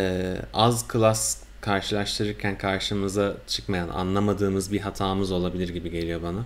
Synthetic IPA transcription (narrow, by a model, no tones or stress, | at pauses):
ɛːazkʰɯlˠas | kʰaɾʃɯlˠaʃt̪ʰɯɾɯɾcʰænkʰaɾʃɯmɯzat͡ʃʰɯkmajana̰nlˠamad̪ɯːmɯzbiɦat̪ʰaːmɯzo̞lˠabilʲiɾɟibiɟe̞lʲijo̞bana